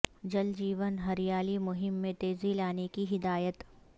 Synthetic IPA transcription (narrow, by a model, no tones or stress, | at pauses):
d͡ʒɐld͡ʒiːʋənɦɐɾijaːlimʊɦɪmːẽt̪eːzilaːnekiɦɪd̪aːjət̪